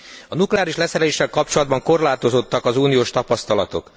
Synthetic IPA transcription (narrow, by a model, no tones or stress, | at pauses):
ɒnuklɛaːɾiʃlɛsɛɾɛleːʃːɛlkɒp̚t͡ʃo̞lɒd̪̚bɒŋko̞rlaːt̪o̞zo̞t̪ːɒkɒzuːnijoːʃt̪ɒpɒst̪ɒlɒt̪o̞̰k